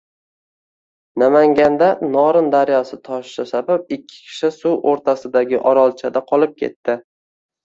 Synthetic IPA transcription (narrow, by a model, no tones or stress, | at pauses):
namaŋɡʲand̪anɒɾɪnd̪aɾjɒsɪt̪ʰɒʃʃasabap̚ɪkʲʰːɪ̥kʲʰɪ̥ʃɪsuwʔoɾt̪ʰasɪd̪aɡʲɪʔɒɾɒlˠt͡ʃʰad̪aqʰɒlˠɪp̚kʲʰe̞̰t̪ːɪ